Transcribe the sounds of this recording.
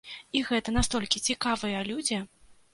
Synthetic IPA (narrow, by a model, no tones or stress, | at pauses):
iɣɛt̪ɐnast̪ɔlʲkʲit͡sʲikavɨjɐlʲud͡zʲɛ